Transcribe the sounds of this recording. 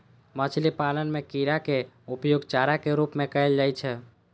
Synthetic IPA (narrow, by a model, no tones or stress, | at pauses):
mət͡ʃʰlipalənmekiɾake | upjoɡt͡ʃaɾakeɾupmekəjld͡ʒajt͡ʃʰɛ